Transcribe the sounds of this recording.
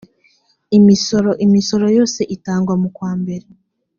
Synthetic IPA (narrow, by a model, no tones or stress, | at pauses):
imisoɾoʔimiso̞ɾo̞jo̞ːse̞ʔitaːŋɡwamukwaːmbe̞ɾe